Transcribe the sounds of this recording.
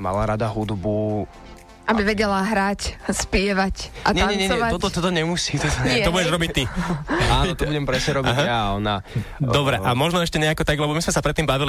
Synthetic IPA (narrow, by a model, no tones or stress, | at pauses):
ma̰laɾad̪aɦud̪bu | ʔabiʋɛɟɛlaɦɾacspɪɛʋacʔatɲɛaɲɛɲɛɲɔɛaɔt̪ɔt̪ɔt̪ɔɲɛmusiːt̪ɔt̪ɛɔbuɛʒɾɔbic̚t̪ianɔt̪ɔbuɟɛmpɾɛsɲɛɾɔbiaɦaaɔnad̪ɔbɾɛʔamɔʒnɔɛʃcɛɲɛakɔt̪aɡlɛbɔmismɛsapɾɛt̪ːiːmbaʋili